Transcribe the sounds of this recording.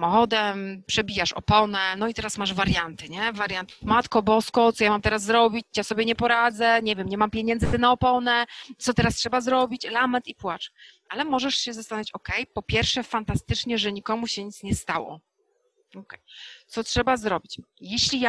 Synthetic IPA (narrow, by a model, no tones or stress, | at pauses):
samɔxɔd̪ɛmpʂɛbʲijaʂɔ̰pɔnɛnɔit̪ɛɾasmaʐvaɾjant̪ɘɲɛvaɾʲjant̪mat̪kɔbɔskɔt̪ɔjamamt̪ɛɾas̬ːɾɔbʲit͡ɕt͡ɕjasɔbʲjɛɲɛpɔɾad̪zɛɲɛvjɛmɲɛmampʲjeɲɛ̃ndzɨt̪ɘnaɔpɔnɛt̪sɔt̪ɛɾastʂɛbazɾɔbʲit͡ɕlamɛt̪ipwat͡ʂʔalɛmɔʐɛʂɕɛzast̪anavit͡ɕɔkɛjpɔpʲjɛɾfʂɛfant̪ast̪ɘt͡ʂɲɛʐɛɲikɔmuɕɛɲit̪sɲɛst̪awɔ̰ | ɔkɛjt̪sɔtʂɛbazɾɔbʲit͡ɕjɛɕlʲija